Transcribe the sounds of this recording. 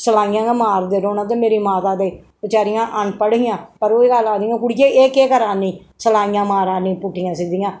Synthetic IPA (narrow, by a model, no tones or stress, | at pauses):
səlaːɪjãːamaːɾd̪eːɾoːnãːt̪̬eːmeːɾiːmaːt̪aːd̪eː | ʋɪt͡ʃaːɾɪjãːʔənpəɽɪjãːpəɾoːiːɡəlaːd̪ijãːkʊɽijeːʔeːkeːkəɾaːniː | səlaːɪjãːmaːɾaːnĩːpʊʈʰːijãːsɪd̪ijãː